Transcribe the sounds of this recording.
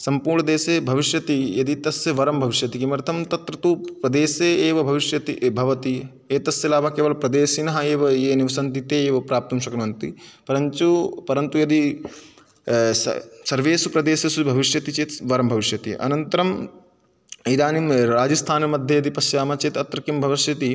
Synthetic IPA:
sɐmpuːɾɳɐd̪eːseːbʱɐʋiʃjɐt̪ijɐd̪it̪ɐsjɐʋɐɾɐmbʱɐʋiʃjɐt̪ikimɐɾt̪ʰɐmt̪ɐt̪ɾɐt̪upɾɐd̪eːseːeːʋɐbʱɐʋiʃjɐt̪ḭbʱɐʋɐt̪i | eːt̪ɐsjɐlaːbʱɐkeːʋɐlɐpɾɐd̪eːsinɐɦɐeːʋɐeːniʋɐsɐnt̪it̪eːeːʋɐpɾaːp̚t̪umʃɐkɐɾɐmɐnt̪ipɐɾɐnt͡ʃupɐɾɐnt̪ujɐd̪i | sɐɾʋeːsupɾɐd̪eːsɐsubʱɐʋiʃjɐt̪it͡ʃeːt̪ʋɐɾɐmbʱɐʋiʃjɐt̪ḭʔɐ̰nɐnt̪ɐɾɐm | id̪aːnimɾaːd͡ʒɐst̪ʰaːnɐmɐd̪ʱjɐjɐd̪ipɐsjaːmɐt͡ʃeːt̪ɐt̪ɾɐkimbʱɐʋɐʃjɐt̪i

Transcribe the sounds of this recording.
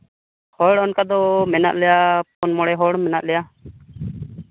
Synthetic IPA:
hɔɽɔnkad̪ɔmɛna̰ʔ̪lɛjapɔnmɔɽɛɦɔɽmɛna̰ʔlɛja

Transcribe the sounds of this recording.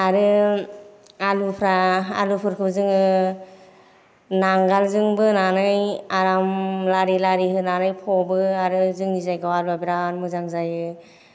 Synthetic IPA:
aɾɯ | alupʰɾaa̰lupʰɯɾkʰɯbzɯŋɯ | naŋɡalzɯŋbɯnanɯjaɾamlaɾilaɾiɦɯnanɯjpʰɔbɯaɾɯzɯŋnizajɡawalabiɾanmɯzaŋzajɯ

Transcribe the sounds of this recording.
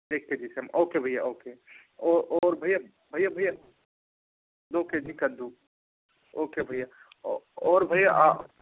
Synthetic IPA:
deːkked͡ʒisɐmoːkebʱɐjaʔoːkeɔːɾɔːɾbʱɐja | bʱɐjabʱɐja | d̪oked͡ʒikɐd̪u | oːkebʱɐja | ɔːɾbʱɐijaʔa

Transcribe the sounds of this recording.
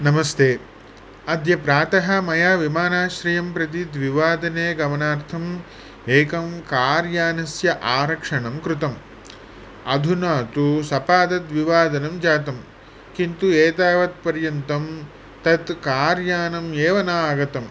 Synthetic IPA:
nɐmɐst̪eː | ɐd̪ʱjɐpɾaːt̪ɐɦɐ̆mɐjaːʋimaːnaːʃɾijɐmpɾɐt̪̬id̪ʋiʋaːd̪ɐneːɡɐʋɐnaːɾt̪ʰɐm | eːkɐmkaːɾjaːnɐsjɐʔaːɾɐkʂɐɳɐmkɾut̪ɐm | ɐ̰d̪ʱunaːt̪usɐpaːd̪ɐd̪ʋiʋaːd̪ɐnɐmd͡ʒaːt̪ɐm | kint̪ueːt̪aːʋɐt̪̚pɐɾjɐnt̪ɐm | t̪ɐt̪kaːɾjaːnɐmeːʋɐnaːɡɐt̪ɐm

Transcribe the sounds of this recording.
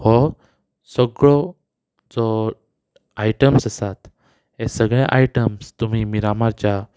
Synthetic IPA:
hɔ | səɡɭɔ | d͡zɔ | ajʈəmsəsat̪ | esəɡɭjaʔajʈəmst̪um̤imiɾamaɾt͡ɕja

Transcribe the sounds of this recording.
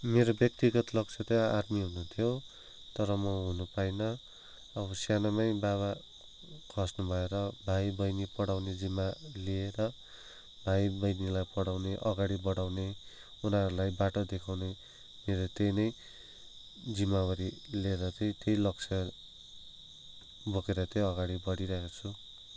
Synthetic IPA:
meɾobjʌk̚t̪iɡʌt̪lʌk̚t͡ʃʰʌt̪ʌadmiɦunut̪ʰijo | t̪ʌɾʌmʌɦunupajnʌ | ʌβʌsjanamajbaβa | kʰʌsnubʱʌeɾʌbʱajbʌjnipʌɽawned͡zimalieɾʌ | bʱajbʌjnilajpʌɽawneʔʌɡaɽibʌɽawne | unaɾulajbaʈod̪ekʰawne | meɾot̪ejnʌj | d͡zimːawʌɾilieɾʌt̪ʌj̃t̪ejlʌkt͡sʰʌ | bʱokeɾʌt̪ʌʌɡaɽibʌɽiɾʌɦekot͡sʰu

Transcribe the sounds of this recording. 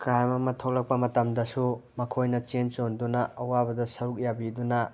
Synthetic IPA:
kɾajmɐmɐtʰow̚lɐk̚pɐmɐtɐmdɐsumɐkʰojnɐt͡ʃent͡ʃondunɐɐwabɐdɐsɐɾuk̚jabidunɐ

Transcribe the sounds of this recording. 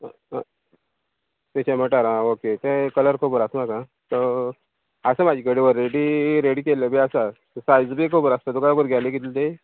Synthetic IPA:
peɕãm̤əʈaɾãoket̪ɛ̃kələɾkʰobəɾasmakã | t̪ə | əsəmad͡ʑʱikəɽeʋəɾːeɽiɾeɽiːkeləbeasa | sajd͡zbekʰobəɾast̪ət̪ukajbəɾɡʱjalekɡit̪ilt̪e

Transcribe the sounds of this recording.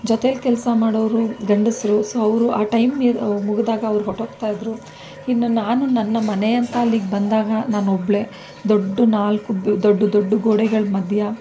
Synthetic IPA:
d͡ʒɔt̪elkɛlsɐmaːɽoʋɾuɡɐɳɖisɾusoːɐʋɾuʔaːʈɐjmːimuɡd̪aːɡɐːʋɾuɦoʈoːkt̪aːjid̪ɾu | inːunaːnunɐnːɐmɐne̞ɐnt̪ɐɐlːiːɡbɐnd̪aːɡɐnaːnobɭe̞ | d̪oɖːunaːlkubd̪oɖːud̪oɖːuɡoːɽɛɡɐɭmɐd̪ʱjɐ

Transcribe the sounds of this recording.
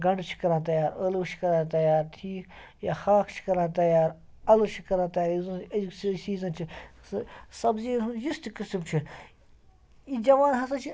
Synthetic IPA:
ɡɐɳɖt͡ʃʰi̥kɐɾãːt̪ɐjaːɾɐluːt͡ʃʰi̥kɐɾãːt̪ɐjaːɾʈʰiːk | jaːxaːkʰt͡ʃʰi̥kɐɾãːt̪ɐjaːɾ | ɐlot͡ʃʰi̥kɐɾãːt̪ɐjaːɾjizɐɐssiːzɐnt͡ʃʰissɐbzisunjust̪kisibt͡ʃʰi | id͡ʒɐʋaːnɦɐsɐt͡ʃʰi

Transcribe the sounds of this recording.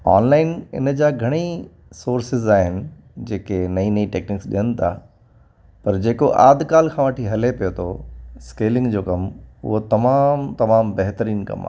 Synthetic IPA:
a̰ːnlaːɪnɪ̰nəd͡ʑaːɡʱɐɽ̃i | soːɾsɪzaːɦɪnɪ̆ | d͡ʑeːkenɐĩnɐĩʈeːknɪksɗḭjənɪ̆t̪ʰa̰ː | pɐɾd͡ʑeːkoʔaːd̪ʱkaːlkʰãʋəʈʰiɦɐlepijot̪ʰo̰skeːlɪ̃ŋɡd͡ʑoːkɐmʊ̰ɦot̪ɐmaːmt̪ɐmaːmbɐɦt̪əɾiːnkɐ̰ma̰ː

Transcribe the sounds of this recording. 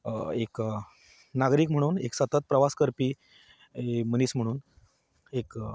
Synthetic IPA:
ek | naɡɾiːkm̤əɽ̃uːneksət̪ət̪̚pɾəʋaskəɾpiː | məniːsm̤əɽ̃uːn | ek

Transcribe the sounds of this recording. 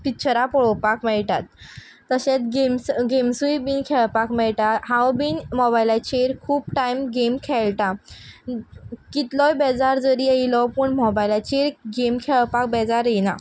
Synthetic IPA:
pit͡ɕʰəɾapɔɭɔpakmɛɭʈat̪ː | əɕẽt̪ɡemsɡemsujbinkʰɛɭpakmɛɭʈaɦãwbinmɔbajlat͡ɕeɾkʰuːpʈajmɡemkʰɛɭʈa | kit̪lɔjbɛd͡zaɾd͡zəɾiəilɔpuɳmɔbajlat͡ɕeɾɡemkʰɛɭpak̚bɛd͡zaɾjena̰

